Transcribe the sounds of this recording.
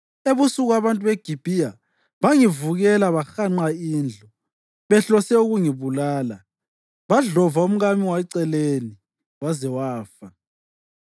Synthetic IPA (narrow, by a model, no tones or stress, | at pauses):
eβusuɣaβantʼuβeɡ̥ʱib̥ʱija | βaŋivuɣɛlaβaxaŋ͡ǃaiːnd͡ɮʱɔ | βɛɬɔsɛuɣuŋiβulaːla | βaɮɔvaum̩ɣamiwaɛǀɛleni | wazɛwaːfa